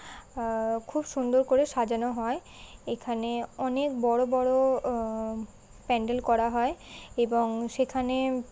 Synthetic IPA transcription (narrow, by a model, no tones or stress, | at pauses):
kʰubʃund̪oɾkoɾeʃad͡ʑanoɦɔe | ekʰaneɔnek̚bɔɽobɔɽo | pɛɳɖelkɔɾaɦɔeeboŋʃekʰane